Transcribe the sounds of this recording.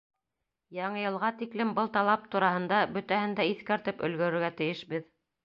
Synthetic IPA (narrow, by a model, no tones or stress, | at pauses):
jɑɴɤjɤ̆lˠʁɑt̪iklɘmbɤlˠt̪ɑlˠɑp̚t̪uɾɑhɤ̆nd̪ɑbɵ̆t̪æhɘ̆nd̪æiθkæɾt̪ɘpɵ̆lɡɵ̆ɾɘ̆ɾɡæt̪ɘ̆jɘʃbɘð